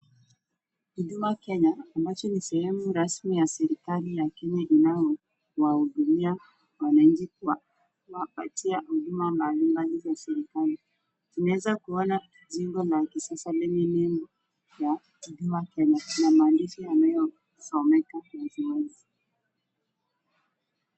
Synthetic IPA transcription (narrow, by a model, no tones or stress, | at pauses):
huɗumakɛɲaːmbat͡ʃɔnisɛhɛmuɾasmijasɛɾikalijakɛɲaʔinajɔ | wahuɗumia | wanaɲ̩t͡ʃikua | wapa̰tiahuɗumambalimbalivasɛɾikali | tinawɛzakuɔna | ziŋɡɔlakisasalɛɲɛnɛmbɔ | ja | kiɗumakɛɲanamaːndiʃijanajɔ | sɔmɛkamazimuŋɡu